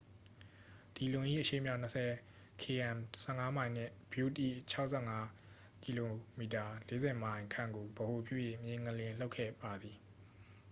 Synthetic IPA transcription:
d̥i˨lʊ̃˨ʔḭ˦˨ʔəʃḛ˦˨mja˦ʊʔn̥əsʰɛ˨ | kʰe˨ɛ̃˨msʰɛ̰˦˨ŋa˦mã˨ɪ̃n̥ɪ̰̃˦˨bju˦˨tḭ˦˨t͡ɕʰa˦ʊʔsʰɛ̃˦˨ŋa˦ | ki˨lo˨mi˨ta˨le˦zɛ˨mã˨ɪ̃kʰã̰˦˨ŋɡo˨bəho˨pʰjṵ˦˨je˦˨mjɪ̃˦˨ŋəlɪ̃˨lo˦ʊkʰːɛ̰˦˨ba˨d̪i˨

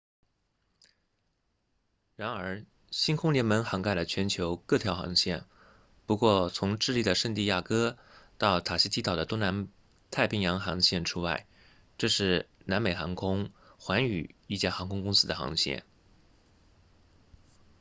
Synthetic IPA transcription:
ɻa˧˥nə˞˧˥ | ɕi˥nkʰʊ˥ŋljɛ˧˥nmə˧˥nxɑ˧˥ŋka˥˩ɪlə˩t͡ɕʰɥɛ˧˥nt͡ɕʰjo˧˥ʊkɤ˥˩t̪ʰjɑ˧˥ʊxɑ̰˧˥ŋɕjɛ̰˥˩n | pu˧˥kwɔ˥˩t͡sʰʊ˧˥ŋʈ͡ʂɻ̩˥˧li˥˩d̪ə˩ʂə˥˧ŋt̪i˥˧ja˥˩kɤ˥ | t̪ɑ˥˩ʊt̪ʰa˨˩ɕi˧˥t̪ʰi˧˥t̪ɑ˨˩ʊd̪ə˦t̪ʊ˥ŋna˧˥n | t̪ʰa˥˩ɪpʰi˧˥ŋjɑ˧˥ŋxɑ˧˥ŋɕjɛ˥˩nʈ͡ʂʰu˥wa̰˥˩ɪ | ʈ͡ʂɤ˥˧ʂɻ̩˥˩na˧˥nme˨˩xɑ˧˥ŋkʰʊ˥ŋxwa˧˥ny̰˨˩i˥˩t͡ɕja˥˩xɑ˧˥ŋkʰʊ˥ŋkʊ˥ŋsɹ̩˥d̪ə˧˩xɑ̰˧˥ŋɕjɛ̰˥˩n

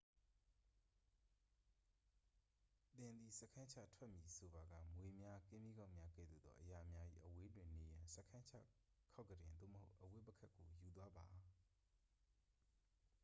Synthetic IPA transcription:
t̪ɪ̃˨nd̪i˨sə˦˨kʰã˦t͡ɕʰä̰˦˨tʰwɛ˦ʔmji˨so˨ba˨ɡä̰˦˨mwe˨mja˦kɪ̃˦mi˦ɡã˦ʊʔmja˦kɛ̰˦˨d̪ṵ˦˨d̪ðɔ̰˦˨ʔəja˨mja˦ʔḭ˦˨ʔəwe˦dwɪ̃˨ne˨jã˨sə˦kʰã˦t͡ɕʰa̰˦˨ | kʰa˦ʊkːədɪ̃˨nd̪o̰˦˨mə˨ho˦ʊʔəwɪ˦pːə˦kʰa˦kːo˨ju˨t̪̬wa˦ba˨

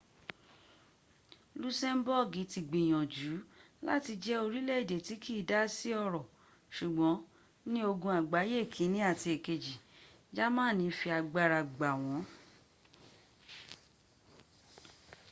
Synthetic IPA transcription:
lu˦sɛ˦m˦bɔ˦˨ɡi˨˦ti˧ɡ͡bĩ˨j̃ɔ̃˨d͡ʒuː˨˦ | la̰˦ti˧d͡ʒɛ˦o˧ɾi˦lɛ˦i˨de˨ti˨˦kʰiː˦˨da˦si˦ɔ˧ɾɔ˨ | ʃu˨ɡ͡bɔ̃˨˦ | nĩ˦o˧ɡũ˧a˨ɡ͡ba˨˦je˦˨kʰĩ˨˦nĩ˦a˦˨ti˧e˨ke˨d͡ʒi˨ | d͡ʒa˦mãː˦˨nĩ˧fi˧a˧ɡ͡ba˧ɾa˧ɡ͡ba˨w̃ɔ̃˨˦

